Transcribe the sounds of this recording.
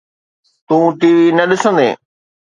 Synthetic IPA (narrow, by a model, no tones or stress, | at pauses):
t̪ũːt̪iːʋinɐɗɪsə̃nd̪ḛː